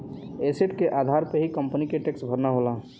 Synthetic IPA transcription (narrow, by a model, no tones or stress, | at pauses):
eseʈkeʔaːd̪ʱaːɾpəɦikə̃mpənikeʈeksbʱəɾnaɦolaː